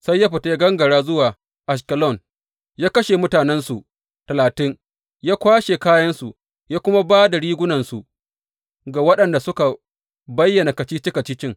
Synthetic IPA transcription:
sa˦jːaː˦ɸɪ˨ta˦ɡɐ˦ŋɡɐ˨ɽaː˦zʊ˦waː˨ | ʔa˨ʃ̬kɐ˨lɔ˦˨n | jaː˦kɐ˦ʃe˨mʊ˦taː˨nɛ˦nsu˨ʔ | tɐ˨laː˨tɪ˦ŋ | jaː˦kʷaː˦ʃe˨kaː˦jɐ˦nsu˨ | jaː˦kʷʊ˦ma˦baː˦da˨ɽiː˦ɡʷʊ˦nɐ˨nsu˨ | ɡa˨wɐ˦ɗɐ˨nda˨sʊ˦ka˨ | bɐ˦jːɐ˨na˨kɐ˨t͡ʃiː˦t͡ʃɪ˦kɐ˨t͡ʃiː˦t͡ʃɪ˦ŋ

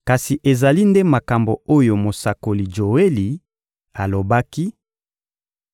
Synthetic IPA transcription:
ka˨si˨ʔe˨za˨li˦nde˦ma˨ka˨mbo˨o˦jo˨mo˨sa˨ko˨li˨ʒo˨e˦li˨ | a˨lo˨ba˦ki˦

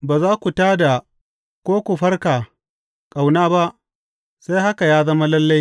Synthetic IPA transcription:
baː˨zaː˦kʷu˨taː˦da˨ | kʷoː˦kʷu˨ɸɐ˦rkaː˨ | kʼa˨wnaː˦ba˦ʔ | sa˦jɦa˦ka˨jaː˦zɐ˦ma˦lɐ˦lːa˦j

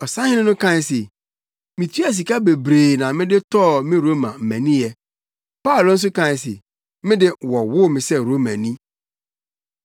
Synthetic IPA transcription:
ɔ˨sã˦hɪ̃˦nɪ̃˦nʊ̃˦kʰã˦˨n˨se˨ | mĩ˨tʰi˦a˨s̬i˨ka˦be˨bɾeː˨nã˨mɪ̃˦dɪ˦tʰɔː˦˨mɪ̃˦ɾo˦mã˨m̩˨mæ̃˨nĩ˦jɛ˨ | paː˦˨lʊ˨˦n̩˦s̬ʊ˦kʰã˦˨s̬ḛ˨ | mɪ̃˦dɪ˦wɔ˨wʊ˦mɪ̃˨sɛ˦ɾo˦mã˨nĩ˦

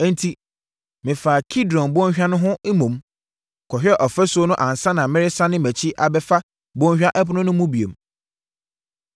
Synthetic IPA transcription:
ɛ̃˦n˦tʰi˦ | mɪ̃˨faː˨kʰi˦dɔ̃˨nbʊ˦ɔ̃˦a˦nʊ̃˦ɦʊ̃˦e˦mũ˨m | kʰɔ˨ɕᶣɛ˦ʔɔ˨fɛ˦sʊ˦o˦nʊ̃˦ʔã˨n˨sã˦nã˨mɪ̃˦ɾɪ˦sa˦nɪ̃˦mæ˨t͡ɕʰi˦ʔa˨bɛ˦fa˦ | bʊ˦ɔ̃˦ɲɕᶣa˦ʔɛ˦pʊ˦nʊ̃˦nʊ̃˦mũ˦bi˨ḛ˨m

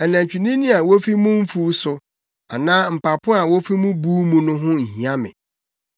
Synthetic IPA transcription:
ɛ˨næ̃˨ɲ˨t͡ɕᶣi˨nĩ˦nĩ˦a˨wo˦fi˦mʊ̃˦m̩˦fuː˦sʊ˨ | a˨nãː˦m̩˨pa˨pʰʊ˦a˨wo˦fi˦mũ˦buː˦mũ˦nʊ̃˦ɦʊ̃˦n̩˨hĩ˨a˦mɪ̰̃˨

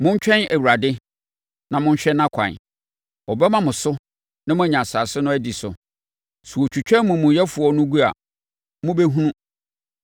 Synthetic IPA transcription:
mʊ̃˦ɲ˦t͡ɕᶣɛ̃˦næ˨wu˨ɾa˨dɪ˦ | nã˨mʊ̃˦ɲ˦ɕᶣɛ˦nã˦kʷʰã̰˨n˨ | ɔ˨bɛ˦mã˦mʊ̃˨sʊ˦ | nã˦mʊ̃˦æ˦˨ɲã˨sa˨sɪ˦nʊ̃˦æ˦di˨sʊ̰˨ | su˨o˨t͡ɕʰᶣu˨t͡ɕᶣɛ̃˦mʊ̃˨mʊ̃˨jɛ˦fu˨ɔ˨nʊ̃˦ɡu˦a̰˨ | mʊ̃˦be˦ɦũ˦nũ˦

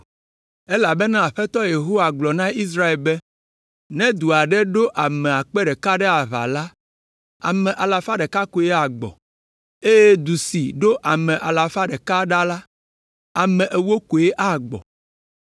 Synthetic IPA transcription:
e˦la˨bɛ˦nã˦a˨ɸɛ˦t̪ɔ˦je˨ɦo˦wa˨ɡ͡blɔ˨nã˦i˦s̬ɾa˦e˨lbɛ˦ | nɛ̃˦d̪u˨a˨ɖɛ˦ɖo˦ʔa˨mɛ̃˨a˨k͡pɛ˦ɖɛ˨ka˦ɖɛ˦a˨βa̰˨la˦ | a̰˨mɛ̃˨ʔa˨la˨fa˦ɖɛ˨ka˦ko˦ɛ˦a˨ɡ͡bɔ̰˨ | e˦je˦d̪u˨si˨ɖo˦ʔa˨mɛ̃˨ʔa˨la˨fa˦ɖɛ˨ka˦ɖa˦la˦ | a˨mɛ̃˨ʔe˨wo˦ko˨e˦ʔa˦ɡ͡bɔ̰˨

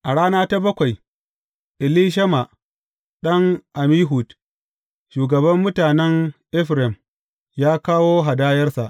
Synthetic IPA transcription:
ʔa˨ɽaː˦naː˦ta˦bɐ˦kʷa˨j | ʔɪ˨liː˦ʃ̬ɐ˦ma˨ʔ | ɗɐ˦ŋʔa˨miː˦ɦu˨t | ʃuː˨ɡɐ˨bɐ˦mːʊ˦taː˨nɛ˦ŋʔɪ˦ɸɾɛ˨m | jaː˦kaː˦woː˦ɦa˨daː˦jɐ˦rsa˨ʔ

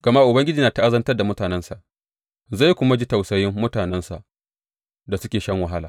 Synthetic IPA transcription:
ɡ̥ɐ˨ma˦ʔʊ˨bɐ˦ŋɡʲɪ˦d͡ʒiː˨na˨ta˦ʔa˦zɐ˦ntɐ˦da˨mʊ˦taː˨nɛ˦nsa˨ʔ | za˦˨jkʷʊ˦ma˦d͡ʒi˦ta˨wsɐ˨jɪ˦mːʊ˦taː˨nɛ˦nsa˨ʔ | da˨sʊ˦kʲeː˨ʃɐ˦ŋwa˨ɦa˦laː˨

